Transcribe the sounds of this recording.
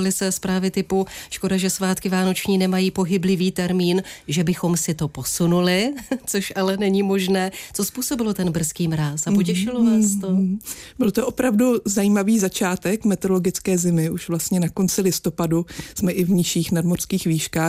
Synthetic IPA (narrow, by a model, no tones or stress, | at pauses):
lɪsɛspɾaːvɪt̪ɪpuʃko̞daʒɛsvaːt̪kɪvaːno̞t͡ʃɲiːnɛmajiːpo̞ɦɪblɪviːt̪ɛɾmiːnʒɛbɪxo̞msɪt̪o̞po̞sunulɪt͡so̞ʃʔalɛnɛɲimo̞ʒnɛːt͡so̞spuːso̞bɪlot̪ɛnbr̩skiːmɾaːsapocɛʃɪlovaːst̪obɪlt̪oʔopɾavduzajiːmaviːzat͡ʃaːt̪ɛkmɛt̪ɛɾoloɡɪt͡skɛːzɪmɪʔuʃvlast̪ɲɛnako̞nt͡sɪlɪst̪o̞padusmɛʔɪvɲɪʃiːxnadmor̥skiːxviːʃkaː